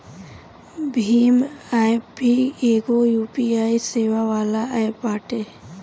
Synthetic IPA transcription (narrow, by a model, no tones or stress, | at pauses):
bʱiːmajpieɡojuːpiaːiseːʋaʋaːlaʔapːaːʈe